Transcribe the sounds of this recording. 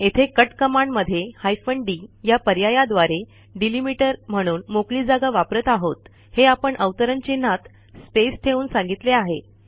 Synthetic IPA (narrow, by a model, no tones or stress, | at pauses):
et̪ʰekəʈkəmaɳɖməd̪ʱːjehajfəɳɖijapəɾjajad̪ʋaɾe | ɖilimiʈəɾm̤əɽ̃uːnmokliːd͡zaɡaʋapɾət̪aɦot̪ | heapəɳʔəʋt̪əɾənt͡ɕin̤ːat̪ | spest̪ʰeuːnsãŋɡit̪leaɦe